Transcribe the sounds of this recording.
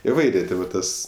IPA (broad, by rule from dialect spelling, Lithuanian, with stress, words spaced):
ɪˈʋɐɪrʲeː ˈtʲɪ ʋɐ ˈtɐs